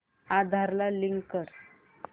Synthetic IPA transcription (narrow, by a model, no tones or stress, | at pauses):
ad̪ʱaɾlaliŋɡkəɽ